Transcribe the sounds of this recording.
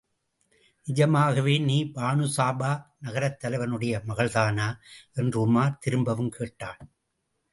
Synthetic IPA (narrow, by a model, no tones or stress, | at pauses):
nɪd͡ʒɐmaːɣɐʋeːniːbaːnɯsaːbaːnɐɣɐɾɐt̪ːɐlɐɪʋɐnɯɽɐjɐmɐɣɐɭðaːnaːʔɛndrɯʊmaːɾt̪ɪɾɯmbɐʋɯmkeːʈːaːɭ